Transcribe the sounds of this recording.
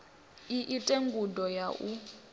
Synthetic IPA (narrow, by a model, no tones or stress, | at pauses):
iʔitʼeŋɡudɔjaʔu